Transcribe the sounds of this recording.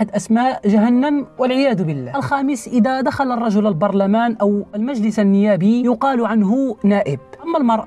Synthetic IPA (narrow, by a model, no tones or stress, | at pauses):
ħad̪ʔæsmaːʔʒaɦanːamwalʕɪjaːd̪ʊbɪlːaːlxæːməsʔɪd̪æd̪axalɑrˤːɑʒʊlalbɑɾˤlamaːnʔawlmaʒlɪsanːɪjaːbijʊqɑːlʕanɦʊnaːʔɪb̚ʔamːalmɑɾˤʔɑ